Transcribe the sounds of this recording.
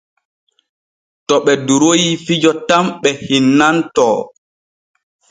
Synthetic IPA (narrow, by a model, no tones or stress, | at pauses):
tɔɓɛduɾojifid͡ʒɔtamɓɛhinːantɔː